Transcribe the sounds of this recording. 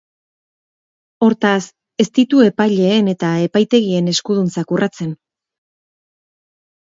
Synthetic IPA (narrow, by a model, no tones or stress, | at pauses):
o̞ɾt̪as | e̞st̪it̪ue̞pajʎe̞ːne̞t̪ae̞pajt̪e̞ɣie̞ne̞skuð̞unt͡sakurʔat͡se̞n